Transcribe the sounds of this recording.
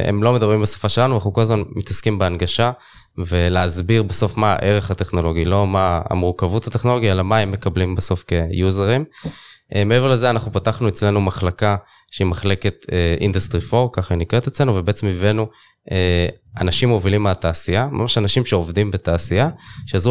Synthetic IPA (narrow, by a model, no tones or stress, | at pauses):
ḛmlo̞medabʁimbesḁfaʃe̞lanuanaχnukolazmanmit̪askimbeanɡaʃa | ve̞leazbiʁbeso̞fma̰ʔe̞ʁe̞χate̞χno̞lo̞ɡilo̞maa̰muʁkavuthateχno̞lo̞ɡiaelamaemːe̞kablimbeso̞fke̞juzeʁimʔmeevele̞zeanaχnupataχnuet͡sle̞numaχlaka | ʃeimaχle̞ke̞t̪eḭnd̪ast̪ʁifo̞ʁkaχainiket̪et͡sle̞nuvebeet͡semivenu | ʔeanaʃimovilimeat̪aːsijama̰maʃanaʃimʃe̞ovd̪imbetaːsijaʃeazʁu